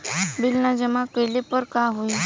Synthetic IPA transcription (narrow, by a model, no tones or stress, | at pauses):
bilnad͡ʑəmakəjlepəɾkaɦoi